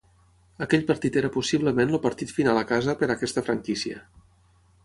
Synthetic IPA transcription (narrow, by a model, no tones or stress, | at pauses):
əkɛʎpəɾt̪it̪eɾəpusiβləmenlupəɾt̪it̪finalˠəkazəpəɾəkɛst̪əfɾəŋkisiə̰